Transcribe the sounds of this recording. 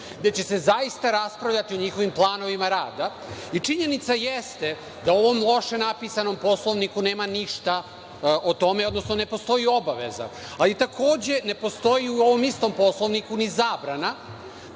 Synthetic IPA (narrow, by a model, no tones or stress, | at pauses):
d̪et͡ɕe̞se̞zaist̪aɾaspɾaʋʎat̪io̞ɲixo̞ʋimplˠaːno̞ʋimaɾaːd̪a | it͡ʂiɲe̞nit̪sajest̪e | d̪ao̞ʋo̞mlˠo̞ʃe̞napiːsano̞mpo̞slˠo̞ʋnikuneːmaniʃt̪a | ot̪o̞meo̞d̪no̞sno̞ne̞po̞st̪o̞jio̞baʋḛza̰ː | lit̪akʰo̞ːd͡ʑe̞ne̞po̞st̪o̞jiuo̞ʋo̞mist̪o̞mpo̞slˠo̞ʋnikunizaːbɾana